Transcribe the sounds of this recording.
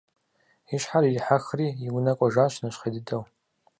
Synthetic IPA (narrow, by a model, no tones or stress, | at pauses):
iʃħaɾilħaxriiɡnakʷʼaʒʷaʃʷnaʃʷχadɨdʰʼaw